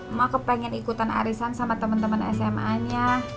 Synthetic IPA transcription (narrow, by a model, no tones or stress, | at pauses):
makəpɛŋɛnikut̪ana̰ɾisansamat̪əmənt̪əmənɛ̰sɛmaɲa